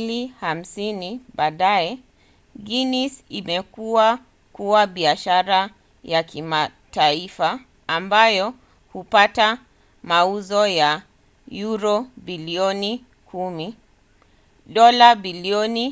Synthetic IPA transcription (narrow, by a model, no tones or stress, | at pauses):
liham̩siniɓaːɗaɛ | ɡinisimɛkuwa | kuwaɓiaʃaɾa | jakima | taifaː | mbajɔ | hupata | mauzɔja | juɾɔbiliɔni | kʰumi | ɗɔlabiliɔni